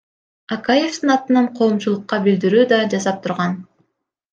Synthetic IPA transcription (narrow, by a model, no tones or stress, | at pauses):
akaje̞ft̪ɯnɑt̪ɯnɑɴqʰo̞ːmt͡ʃulˠuqːɑbild̪iɾyːd̪ɑd͡ʒɑsɑp̚t̪ʰuɾʁɑn